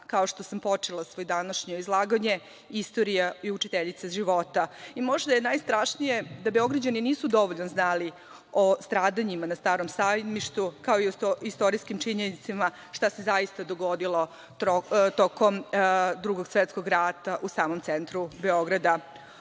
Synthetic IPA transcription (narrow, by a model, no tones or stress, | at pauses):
kao̞ʂt̪o̞sampo̞t͡ʂelˠasʋojd̪anaʃɲo̞izlˠaːɡaɲe̞ | ist̪o̞ɾijaiut͡ʃit̪eʎit̪saʒiʋo̞t̪aimo̞ʒd̪ajenajst̪ɾaʂnije̞d̪abe̞o̞ɡɾad͡ʑaniniːsud̪o̞ʋoʎnoznali | ost̪ɾaːd̪aɲimanast̪aːɾomsajd̪miʃt̪ukao̞iooist̪o̞ɾiskimt͡ʃiɲenit̪sima | ʂt̪ase̞zaist̪ad̪oɡod̪ilˠo̞ | ot̪okomd̪ɾuɡo̞ɡsʋet̪sko̞ɡɾat̪aʔusaːmomt̪sent̪ɾube̞o̞ɡɾad̪a